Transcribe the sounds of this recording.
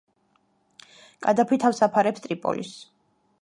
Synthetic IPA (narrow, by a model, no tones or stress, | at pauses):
kʼad̪apʰit̪ʰafsapʰaɾɛpst̪ʼɾipʼɔ̰lḭs